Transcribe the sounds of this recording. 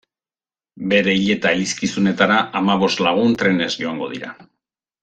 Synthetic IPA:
be̞ɾe̞iʎe̞t̪aeliskisune̞t̪aɾaʔamaβ̞o̞st̪laɣ̞unt̪ɾe̞ne̞zd͡ʒo̞aŋɡo̞̰ðḭɾa̰

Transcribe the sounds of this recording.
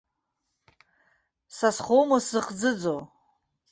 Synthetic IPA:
sasχowmaszɨχd͡zɨd͡zo

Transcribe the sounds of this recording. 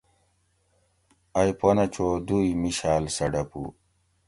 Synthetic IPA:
ɐjponɐt͡ɕʰod̪uimiɕaːlsɐɖɐpṵ

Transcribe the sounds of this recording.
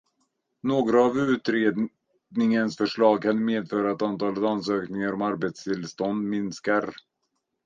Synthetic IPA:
noːɡɾaːvʉ̟ːt̪ɾeːd̪ | nɪŋənsfœʂɭɑːɡ̚kʰanmeːd̪fœːɾaɛt̪ant̪ʰɑːlət̪anːsøːknɪŋaɾɔmaɾbɛt̪st̪ʰɪlst̪ɔnd̪mɪnskaɾ

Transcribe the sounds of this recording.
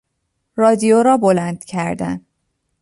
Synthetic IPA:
rɒːd̪ijoɾɒːbolænd̪̥cʰæɾd̪æ̰n

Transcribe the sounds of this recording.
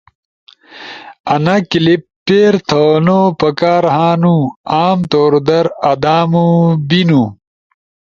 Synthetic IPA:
ɐnɐkilipː | eːɾt̪ʰonopɐkaːɾɦaːnuaːmt̪oːɾd̪ɐɾɐd̪aːmubinu

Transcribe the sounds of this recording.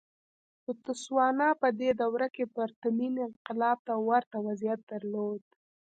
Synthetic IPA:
ʊt̪ʊswɑnɑpəd̪ed̪awɾakepəɾt̪aminɪnqɪlɑb̚t̪awaɾt̪awazijat̪̚d̪aɾlod̪̚

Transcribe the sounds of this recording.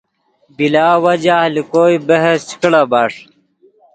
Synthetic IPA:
bilaːwɐd͡ʑaːlikoːibeɦest͡ɕi̥kɽɐbaːʂ

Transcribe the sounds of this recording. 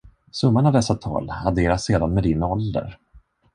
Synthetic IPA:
sɵmːanɳavd̪ɛsːat̪ʰɑ̰ːlad̪eːɾaseːd̪anmɛd̪ɪnɔld̪ə̰ɾ

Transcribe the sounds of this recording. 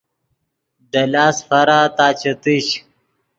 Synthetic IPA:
d̪ɐlaːsfɐɾat̪aːt͡ɕɐt̪iɕ

